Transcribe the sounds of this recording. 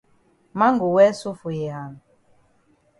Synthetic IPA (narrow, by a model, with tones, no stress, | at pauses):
ma˦ŋɡu˨wɛ˦su˦fu˨jɛ˨ha˨n˨